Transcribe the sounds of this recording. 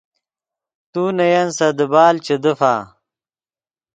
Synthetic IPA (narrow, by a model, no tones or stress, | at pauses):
t̪uːnɐjɐnsɐd̪əbaːlt͡ɕed̪əfa̰ː